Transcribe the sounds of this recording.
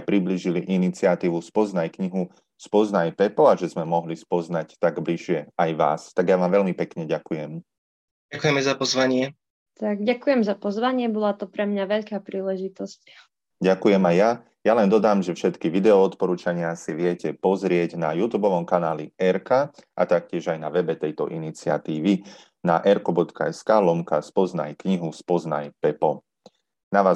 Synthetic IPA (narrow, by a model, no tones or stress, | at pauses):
pɾibliːʒiliʔinit͡sɪat̪iːʋuspɔznajkɲiɦu | spɔznajpɛpɔaʒɛzmɛmɔɦlispɔznact̪aɡbliʃɪɛajʋa̰ːst̪aɡjaʋaːmʋɛʎmipɛkɲɛɟakujɛm | ɟakujɛmɛzapɔzʋaɲɪɛ | t̪aɡɟakujɛmzapɔzʋaɲɪɛbɔlat̪ɔpɾɛmɲaʋɛʎkaːpɾiːlɛʒit̪ɔsc | ɟakujɛmajja | jalɛnd̪ɔd̪aːmʒɛfʃɛt̪kiʋid̪ɛɔɔt̪pɔɾuːt͡ʃaɲɪasiʋɪɛcɛpɔzɾɪɛɟnajut̪uːbɔʋɔmkanaːliɛɾkaʔat̪ak̚cɪɛʒajnaʋɛbɛt̪ɛjt̪ɔ̰ʔinit͡sɪa̰t̪iːʋi | naʔɛɾkɔbɔt̪kaɛskaːlɔmkaspɔzna̰jkɲiɦuspɔzna̰jpɛpɔ | naʋaː